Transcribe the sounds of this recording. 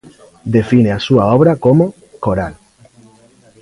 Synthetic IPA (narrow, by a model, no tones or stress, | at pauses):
d̪e̞fineasuaoβɾako̞mo | ko̞ɾal